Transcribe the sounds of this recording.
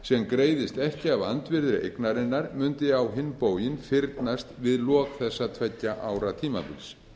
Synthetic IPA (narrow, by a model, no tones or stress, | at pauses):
sɛmkɾeːjðɪst̪ɛhcɪavant̪vɪɾðɾɪʔḛjknaɾɪnːaɾmʏnt̪ɪawɦɪnːpoːwjɪnfɪɾt̪nast̪vɪðlɔːkθɛsːat̪ʰvɛcːaʔaːwɾat̪ʰiːma̰pʏ̰ls